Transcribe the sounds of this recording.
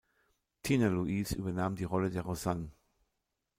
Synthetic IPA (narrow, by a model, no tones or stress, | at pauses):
tʰinaluʔisy̰ːbɐnaːmdiːʁɔlədeːɐʁozan